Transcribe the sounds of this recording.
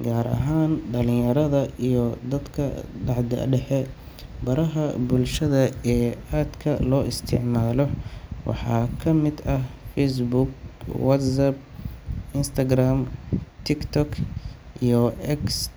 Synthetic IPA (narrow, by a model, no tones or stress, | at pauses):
ɡaːɾʔɐ̰ɦaːnɖɐlɪ̃jɐɾɐðɐijɔd̪ɐd̪kʰɐ̰ɖɑʕd̪ɐ̰ɖɛħɛ | bɐɾɐɦɐbʊlʃɐðɐɛːaːd̪kʰɐlɔːʔɪst̪ʰɪ̰ʕmaːlɔwɑ̰ħɑ̰ːkʰɐmɪd̪ɐhfɛs̬bʊɡ̚wɐt̪sɐb̚ | ɪnst̪ʰɐɡraːmt̪ʰɪkt̪ʰɔk | ʔijɔɛks